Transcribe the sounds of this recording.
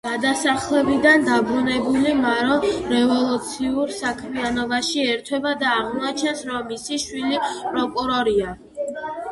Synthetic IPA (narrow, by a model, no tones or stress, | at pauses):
ɡ̥ad̪asaχlɛbid̪and̪abɾunɛbulimaɾɔɾɛvɔlˠut̪sʰiuɾsakʰmianɔbaʃiɛɾt̪ʰwɛbad̪aːʁmuat͡ʃʰɛnsɾɔmːisiʃwilipʼɾɔkʼuɾɔɾia